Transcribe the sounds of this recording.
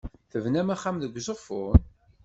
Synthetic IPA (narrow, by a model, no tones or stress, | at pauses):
θəvnæmæχːamðəɡʷzəʁfʊn